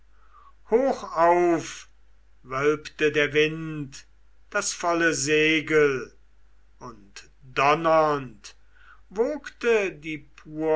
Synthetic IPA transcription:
hoːxaʊf | vœlptədeːɐvɪnt | d̥asfɔləzeːɡəl | ʊnt | d̥ɔnɐnt | voːktədiːpʰuːɐ

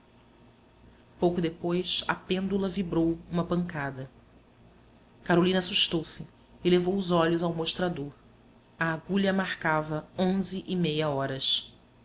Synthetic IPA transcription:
powkʊd̪epojsɐ̰pẽnd̪ulɐvibɾowũmɐpɐ̃ŋkad̪ɐ | kaɾolĩnɐasuʃt̪owsɪː | levowʊzɔʎʊzawmoʃt̪ɾad̪oɾ | ɐːɡuʎɐmaχkavɐõzɪʔimejɐɔɾɐs

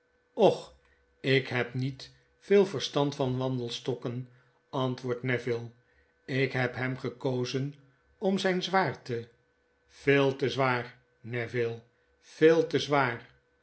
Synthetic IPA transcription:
ɔχ | ɪkɦɛpnit | fɪːlˠvərstɑntfɑnʋɑndəlˠstɔkən | ɑntʋʊːɹtnɛvɪlˠ | ɪkɦɛpɦɛmχəkowzən | ɔmzɛjnzʋaːɹtə | fɪːlˠtəzʋaːr | nɛvɪlˠ | fɪːlˠtəzʋaːr

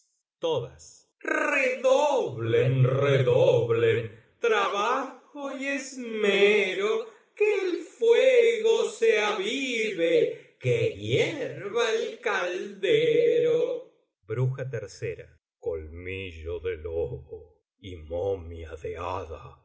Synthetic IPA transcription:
t̪oðas | reðoβlenreðoβlen | t̪ɾaβaxojezmeɾo | keːlfweɣoseaβiβekeɣjeɾβaelkald̪eɾo | bɾuxat̪eɾsḛɾa̰ | kolmiʒoðeloβo | imomjaðea̰ða̰

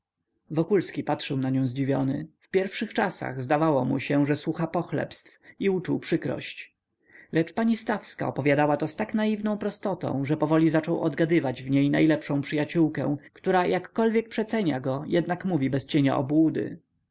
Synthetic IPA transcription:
vɔkulskʲipatʂɛwnaɲɔ̃w̃zd͡ʑivʲjɔnɘ̰fpʲjɛɾfʂɘxt͡ʂasa̰ɣzd̪avawɔmṵɕɛʐɛswuxapɔxlɛ̰pst̪fiut͡ʂuwpʂɘkɾɔ̰ɕt͡ɕ | lɛt͡ʂpaɲist̪afska̰ɔpɔvʲjad̪awat̪ɔst̪aknajivnɔ̃w̃pɾɔst̪ɔt̪ɔ̰̃w̃ʐɛpɔvɔlʲizat͡ʂɔwʔɔ̰d̪ɡad̪ɘvad͡ʑvɲejnajlɛpʂɔ̃w̃pʂɘjat͡ɕuwkɛ̰̃w̃kt̪uɾajʔakːɔlvʲjek̚pʂɛt̪sɛɲa̰ɡɔjɛd̪nakmuvʲibɛst͡ɕeɲa̰ʔɔ̰bwud̪ɘ̰

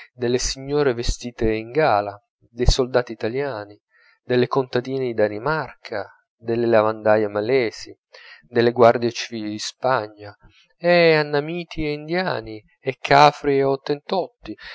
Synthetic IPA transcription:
d̪elːesiɲːoːɾevest̪iːt̪eiŋɡaːla | d̪ejsold̪aːt̪iːt̪aljaːni | d̪elːekont̪ad̪iːned̪id̪animarkʰa | d̪elːelavand̪ajamalɛːzi | d̪elːeɡward̪jet͡ʃiviːlid̪ispaɲːa | ɛanːamiːt̪ʰieind̪jaːni | ɛkʰːaːfɾiot̪ːent̪ɔt̪ːi

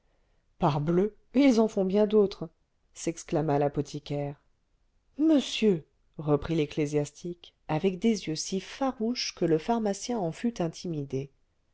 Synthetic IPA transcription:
paʁblø | ilzɑ̃fɔ̃bjɛ̃d̪ot̪χ | sɛksklamalapɔt̪ʰikʲɛːʁ | məsjø | ʁəpχileklezjast̪ʰik | avɛkd̪ezjøsifaʁuʃkələfaʁmasjɛ̃ɑ̃fyt̪ɛ̃t̪ʰimid̪e

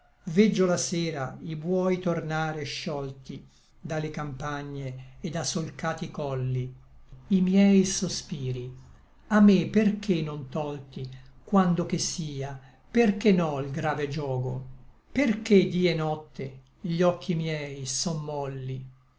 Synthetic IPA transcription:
vɛd͡ʒːolaseːɾaibwɔjt̪ornaːɾeʃːɔlt̪i | d̪alːekampaɲːeːd̪asolkaːt̪ikɔlːi | imjɛjsospiːɾi | amːepːerkʰenont̪ɔlt̪ikwand̪ok̟esiːa | perkenɔilɡɾaːved͡ʒɔːɡo̰ | perked̪iːɛnɔt̪ːe | ʎɔkʰːimjɛːjsɔmːɔlːi

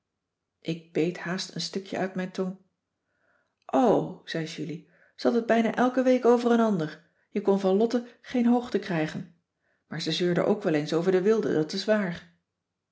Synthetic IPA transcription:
ʔɪɡ̚b̥ejthaːstənstɵkjə̰ʔœɥtmɛjnton | ʔowz̥ɛjʒyli | z̥əɑtəd̚bɛjnaːʔɛlˠkəʋejkowvərənɑndəɹ | jəkɔnvɑnlɔtəχejnɦowχtəkrɛjχən | maːɹzɛzøːɹdə̰ʔo̰wkʋɛlˠejnsowvəɹdəʋɪlˠdə̰dɑtɪsʋaːɹ

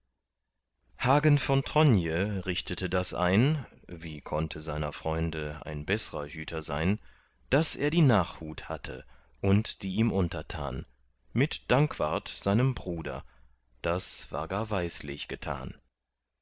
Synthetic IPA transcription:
haːɡənfɔntʁ̥ɔnjəʁɪçtətədasʔa̰ɪn | viːkʰɔntʰəzaɪnɐfʁ̥ɔʏndəa̰ɪnbɛsəʁɐhyːtʰɐza̰ɪn | d̥asʔḛːɐdiːnaːχhuːtha̰tʰə̰ | ʔʊntd̥iːiːmʔʊntɐtʰa̰ːn | mɪtd̥aŋkv̥a̰ɐtz̥aɪnəmbʁuːdɐ̰ | d̥asv̥a̰ːɐɡaːɐvaɪslɪ̰çɡ̥ətʰa̰ːn

